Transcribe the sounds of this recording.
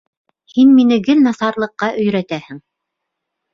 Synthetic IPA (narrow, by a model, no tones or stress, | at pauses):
hinminɘ̆ɡɘlnɑsɑɾlˠɤ̆qːɑʔɵ̆jɾæt̪æhɘ̆ŋ